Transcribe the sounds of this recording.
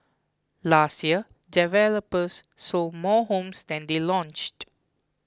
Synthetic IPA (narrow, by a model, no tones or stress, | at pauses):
lastjiə | dɛvɛləpəsːɔmɔhõmsd̪ɛ̃nd̪elɔ̃nt͡ʃt